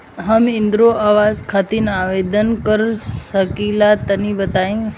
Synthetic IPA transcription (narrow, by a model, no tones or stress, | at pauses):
ɦəmĩnd̪ɾoaʋazkʰat̪inaʋed̪ənkəɾsəkilat̪ənibət̪aĩŋɡ